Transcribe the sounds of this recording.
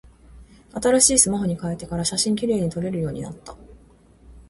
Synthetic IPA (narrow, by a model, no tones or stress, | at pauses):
at̪aɾaɕiːsɨmaɦo̞ɲ̟ikaet̪ːe̞kaɾaɕaɕĩŋkʲiɾe̞ːɲ̟it̪o̞ɾe̞ɾɯ̟jo̞ːɲ̟ḭna̰t̪ːḁ